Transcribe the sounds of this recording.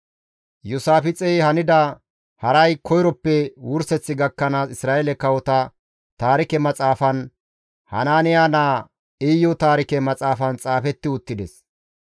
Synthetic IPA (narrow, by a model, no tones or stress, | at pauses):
jʊsaːfɪt͡sʼɛjhɐnɪd̪ɐ | hɐɾɐjkʰɔjɾɔpːɛwʊɾsɛt͡sːɪɡɐkːɐnaːsɪsɾaːʔelɛkɐwɔt̪ɐ | t̪aːɾɪkɛmɐt͡sʼaːfɐn | hɐ̰naːnɪjaːnaː | ɪjːɔt̪aːɾɪkɛmɐt͡sʼaːfɐnt͡sʼaːfɛt̪ːɪʊt̪ːɪd̪ɛs